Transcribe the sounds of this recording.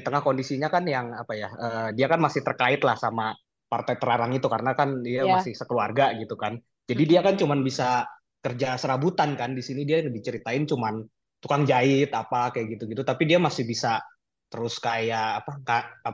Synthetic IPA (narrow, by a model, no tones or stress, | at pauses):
it̪əŋahkondisiɲakanjaŋapajaəːdiakanmasɪht̪ərkaɪt̪lahsama | part̪ajt̪əɾaɾaŋit̪ukaɾənakandiamasɪhsəkəluarɡaɡit̪ukan | d͡ʒadidiakant͡ʃumanbisa | kərd͡ʒasəɾabut̪ankandisinidialəbit͡ʃəɾit̪aɪnt͡ʃuman | t̪ukaŋd͡ʒaɪt̪apakajaʔɡit̪uɡit̪ut̪apidiamasɪhbisa | t̪əɾʊskajaʔːpaŋɡa